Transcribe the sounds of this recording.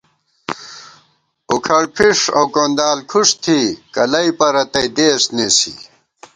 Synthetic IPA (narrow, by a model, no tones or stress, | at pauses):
ukʰɐɽpʰiʂɐwkoːnd̪aːlkʰuʂt̪ʰikɐlɐipɐɾɐt̪ɐid̪eːsnesḭ